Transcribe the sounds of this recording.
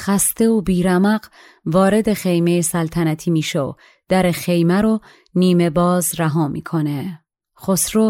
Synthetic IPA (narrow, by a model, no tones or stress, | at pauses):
xæst̪e̞obiːɾæmæɢ | vɒːɾe̞d̪e̞χe̞jme̞jesælt̪ʰænæt̪ʰiːmiːʃeo̰ | d̪̥æɾexe̞jmæɾo | niːme̞bɒːzɾæɦɒːmḭːkʰo̞ne | xosɾo